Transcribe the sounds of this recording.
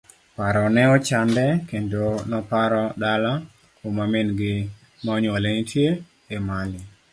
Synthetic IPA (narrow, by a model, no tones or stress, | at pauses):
paɾɔnɛɔt͡ʃandɛkendonɔpaɾɔdala | komamenɡɪ | maɔɲɔlenitʰje | emalɪ